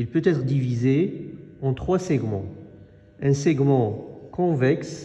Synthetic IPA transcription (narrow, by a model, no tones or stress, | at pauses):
ilpøt̪ɛt̪χəd̪ivizeɑ̃t̪χwasɛɡmɑ̃ | ɛ̃sɛɡmɑ̃kɔ̃vɛks